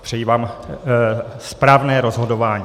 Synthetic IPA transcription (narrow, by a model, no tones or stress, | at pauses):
pr̥ɛjiːvaːm | spɾaːvnɛːɾo̞zɦo̞dovaːɲi